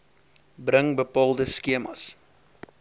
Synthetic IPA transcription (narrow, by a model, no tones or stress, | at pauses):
bɾəŋbəpɑːlˠdəskiəmɐ̰s